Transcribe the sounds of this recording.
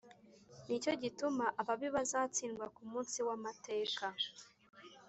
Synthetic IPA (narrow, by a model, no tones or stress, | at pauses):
nico̞ɟitumaʔaβaβiβazaːt͡siːŋɡwakumuːnsiwamate̞ːka